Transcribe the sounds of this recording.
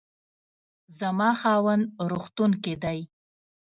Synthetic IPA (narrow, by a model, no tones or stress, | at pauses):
zamɑxɑwənd̪ɾoxt̪unked̪aj